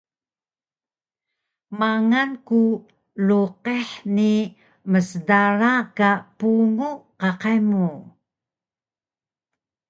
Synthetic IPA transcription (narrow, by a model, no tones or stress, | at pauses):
maŋanku | luqeħni | məsədaɾakapuŋuqaqajmu